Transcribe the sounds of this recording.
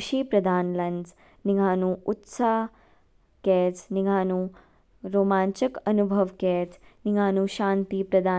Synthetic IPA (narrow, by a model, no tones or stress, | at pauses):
ʃiːpɾɐd̪ʱaːnlɐnz | niɡʱaːnuut̪saː | kɛːt͡sniɡʱaːnu | ɾoːmaːnt͡ʃɐkɐnubʱɐʋkɛːt͡sniɡʱaːnuʃaːnt̪ipɾɐd̪ʱaː